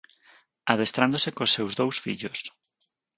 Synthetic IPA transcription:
aðest̪ɾand̪osekosːewzðowsfiʎos

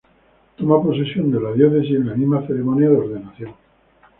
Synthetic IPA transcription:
t̪o̞mapo̞se̞sjo̞nd̪e̞laðjoθe̞sienlamimaθeɾemõnjaðeo̞ɾðe̞naθjon

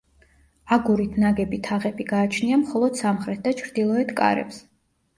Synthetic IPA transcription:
aɡuɾit̪ʰnaɡɛbit̪ʰaʁɛbiɡaːt͡ʃʰniamχɔlˠɔd̪̥samχɾɛt̪̚ʰd̪at͡ʃʰɾd̪ilˠɔɛt̪ʰkʼa̰ɾɛ̰ps

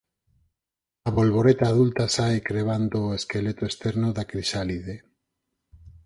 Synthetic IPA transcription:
aβolβoɾet̪aːðult̪asajkɾeβ̞and̪oeskelet̪oest̪eɾnoðakɾiʃaliðe

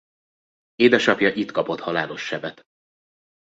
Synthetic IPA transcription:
eːd̪ɛʃɒpjɒʔit̪kɒpo̞t̪hɒlaːlo̞ʃːɛvɛt̪

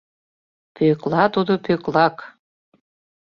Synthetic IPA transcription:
pʰøklˠɑt̪ud̪opøklɑk

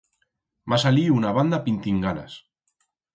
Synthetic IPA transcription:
masaliunaβ̞and̪apint̪iŋɡana̰s

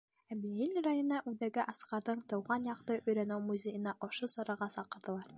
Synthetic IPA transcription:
æbiilʲɾɑjŏnɑʔʉðæɡɘʔɑsqɑɾðɤɴt̪ɤ̆wʁɑnjɑqt̪ɤʔɵ̆jɾænæwmuzʲejɤ̆nɑʔɒʃɤsɑɾɑʁɑsɑqɤ̆ɾðɤ̆lˠɑɾ

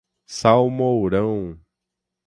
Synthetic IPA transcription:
sawmowɾɐ̃w̃

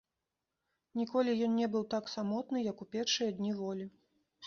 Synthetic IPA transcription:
nʲikɔlʲijɔnnʲɛbɨwt̪aksamɔt̪nɨjɐkupʲɛrʂɨjɐd̪ʲnʲivɔlʲi

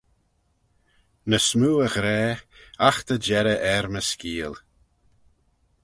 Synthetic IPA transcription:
nəsmuːəɣɾɛːaxt̪əd͡ʒɛɾəʔɛɾməskiːl

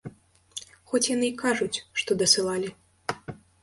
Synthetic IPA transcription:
xɔt͡sʲjanɨikaʐut͡sʲʂt̪ɔd̪ɐsɨlˠalʲi

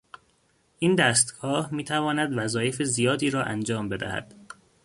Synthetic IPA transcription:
ʔiːnd̪æːst̪ɡ̥ɒːhmiːt̪ʰævɒːnæd̪væzɒːje̞fezijɒːd̪iːɾɒːʔænd͡ʒɒːmbe̞d̪æ̰hæ̰d̪̥

